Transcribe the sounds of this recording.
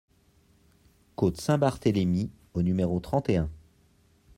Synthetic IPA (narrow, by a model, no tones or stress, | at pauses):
kot̪sɛ̃baʁt̪elemi | onymeʁot̪χɑ̃t̪eɛ̃